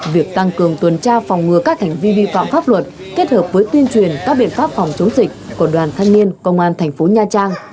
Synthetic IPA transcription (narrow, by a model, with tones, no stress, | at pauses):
vi˨˩ək̚t̪a˧ŋkɨ˨˩əŋt̪wə˨˩nt͡ɕaː˧fa˨˩wŋ͡mŋɨ˨˩əkaː˦˥k̚t̪ʰɛ˨˩jŋ̟vi˧ɓḭ˧˨fa̰ː˧˨mfaː˦˥p̚lwə˨˩t̚ | ke˦˥t̚həː˨˩p̚vəː˨˦jt̪wi˧ənt͡ɕwi˨˩ənkaː˦˥k̚ɓḭ˧ənfaː˦˥p̚fɔ˨˩wŋ͡mt͡ɕə˨˦wŋ͡mzï˨˩k̟̚ku˧˩əɗwaː˨˩nt̪ʰa˧ŋ̟mi˧ənkə̰˧wŋ͡mʔaː˧nt̪ʰɛ˨˩ŋ̟fo˨˦ɲaː˧t͡ɕaː˧ŋ